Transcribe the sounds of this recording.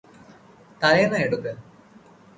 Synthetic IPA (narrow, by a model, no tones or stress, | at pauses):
t̪ɐlɐjɐnɐeɽukːɨ